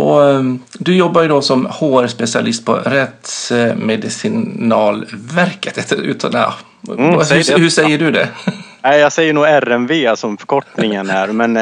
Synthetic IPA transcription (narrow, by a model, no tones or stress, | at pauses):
ɔ | d̪ʉjɔbːaɾjʉd̪ɔsɔmhoːɾspɛsɪa̰lɪst̪̚pʰɔ̰ɾɛt̪smɛd̪ɪsɪnɑːlʋæɾkət̪ɛt̪ʉ̰ːt̪ʰɑ̰ | hʉʂɛjːəɖʉd̪ɛ̰ | ɛjɑːɡsɛjːəɳuːæɾɛnveːsɔmfœ̥kʰɔʈnɪŋənæɾmɛn